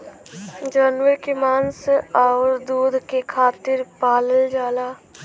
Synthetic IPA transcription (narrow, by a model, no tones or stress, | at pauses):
d͡ʒanwəɾkemaːnsaʊɾd̪uːd̪ʱkekʰaːt̪ɪɾpaːləld͡ʒaːlaː